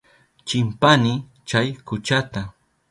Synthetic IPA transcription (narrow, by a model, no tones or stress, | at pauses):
t͡ʃɪmpanɪ | t͡ʃajkʊt͡ʃat̪a